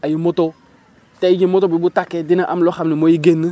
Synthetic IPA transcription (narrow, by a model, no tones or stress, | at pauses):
ajimot̪ɔ | tɛid͡ʒemotɔbibutakɛdinaʔa̰mlɔxamimojiɡenɨ